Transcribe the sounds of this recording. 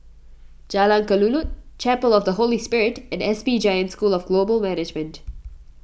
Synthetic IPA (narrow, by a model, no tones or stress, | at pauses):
d͡ʒalãnkəlulut̚t͡ʃɛpəlɔvd̪əɦolispɪɹɪtɛ̃ndɛsbid͡ʒaɪə̃ntskuːlɔvɡ̥loːbəlmænɪd͡ʒmə̃nt